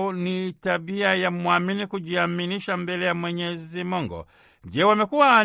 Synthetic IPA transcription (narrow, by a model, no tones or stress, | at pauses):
nitaɓiajamuaminikuʄiaminiʃambɛlɛjamwɛɲɛzimuŋɡɔ̰ | ʄɛwamɛkuwa